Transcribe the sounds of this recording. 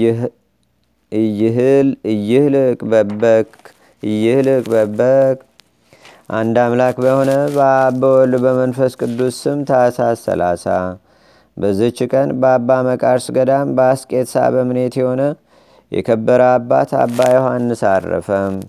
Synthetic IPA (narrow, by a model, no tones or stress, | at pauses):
ɨjːɪɦɨlɨjːɪhlɨkʼbəbək | ɨjːɪhlɨkʼbəbəkʼ | ʔand̪amlakbəho̞nəbbəwɔlbəmənfəskʼɨd̪ːusɨmt̪ʰasasə̰la̰sa | bəzːɨt͡ʃːɪkʼənbəabːaməkʼaɾsɡəd̪ambəaskʼe̞t̪sa̰βəmɨne̞t̪jɛho̞nə | jɛ̰kʰəbːəɾəabːa̰t̪a̰bːajohanːɨsa̰rːə̰fəm